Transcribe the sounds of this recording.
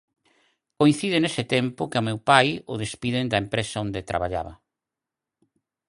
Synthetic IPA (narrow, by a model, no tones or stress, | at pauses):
koĩn̟θiðenesɪt̪ɛmpʊkɪamewpajʊðespiðɪnd̪ɐempɾesaond̪et̪ɾa̰βaʎa̰βɐ̰